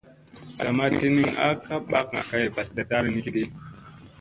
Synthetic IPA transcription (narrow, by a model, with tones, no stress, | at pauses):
ssa̰˨ma˦ti˦ni˦ŋa̰˦ka˦ɓa˦ka̰˨ka˦je˨ba˨sda˨ta˦ɾi˨ni˦ki˦ɗi˦